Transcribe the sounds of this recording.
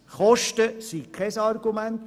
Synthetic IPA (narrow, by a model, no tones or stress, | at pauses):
χɔʃtəsikʰːɛsɑrɡumænt̪